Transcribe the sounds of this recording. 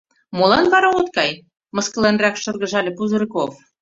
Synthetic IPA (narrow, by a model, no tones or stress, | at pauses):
molˠɑnβɑɾɑot̪kɑj | mɤ̆skɤ̆lenrækʃɤ̆rɣɤ̆ʒɑlʲĕpuzɤ̆ɾkof